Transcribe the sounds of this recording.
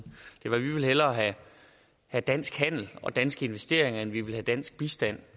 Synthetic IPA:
d̥e̝ʋɑ̈ʋiʋe̝lɦelɐːɦæ | hæd̥æn̰sɡ̥hæn̰l̩ɒ̽d̥ænsɡ̥əe̝nʋesd̥e̝ɐe̝ŋɐenʋiʋe̝lhæd̥æn̰sɡ̥̚b̥isd̥æn̰

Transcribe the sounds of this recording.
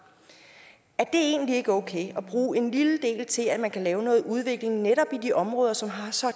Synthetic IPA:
æɐd̥e̝e̝̰ːnlie̝ɡ̥əɔ̽ʊkʰḛɪɒ̽b̥ʁuːe̝nliləd̥e̝̰ːlt͡sʰe̝læ̥mænkʰælɛːʊnɔ̽ːð̞̩ˠuð̞ˠʋe̝ɡ̥le̝ŋneɾɒ̽b̥id̥iʔɒ̽mʁɔ̽ːð̞ˠɐsɒ̽mɦɑ̈sɒ̽

